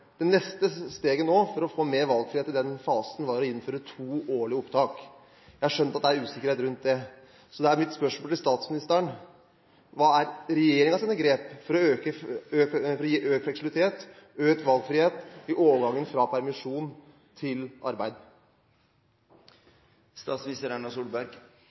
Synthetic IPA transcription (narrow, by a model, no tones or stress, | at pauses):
d̪̥ɛnɛst̪əst̪eːɡənoːfɔɾɔfoːmeːɾʋɑlɡfɾɪheːt̪ɪd̪ɛnfɑːsn̩ʋɑɾɔɪnːføːɾət̪ʰuːoːɭɪəʊpt̪ʰɑːk | jæɪɑʂœnt̪ɑt̪̚d̪ɛæɾʉːsɪkəɾeːt̪ɾʉnt̪̚d̪ɛ | sɔd̪ɛæɾmɪt̪spœʂmoːlt̪ɪlst̪ɑːt̪smɪnɪst̪əəɳ | ʋɑːæɾɾɛjeːɾɪŋɑsiːnəɡɾeːpfɔɾɔøːkəøkfɾɔjiːʔøːkəflɛksɪblɪt̪ʰeːt̪øːkʋɑlɡfɾiːheːt̪ɪʔoːʋəɡɑŋːənfɾɑpʰæɾmɪʂuːn | t̪ʰɪlʔɑɾbæɪd̪ | st̪ɑːt̪smɪnɪst̪əɾæɳɑsuːbæɾɡ